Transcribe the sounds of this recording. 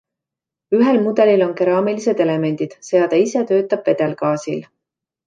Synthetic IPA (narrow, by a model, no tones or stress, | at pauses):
yɦelmud̪̥e̞lilo̞nke̞ɾɑːmilise̞d̪e̞le̞me̞nʲd̪̥id̪̥se̞ɑd̪̥ɑise̞t̪ø̞ːt̪ːˑɑb̥ve̞d̪̥e̞lkɑːsil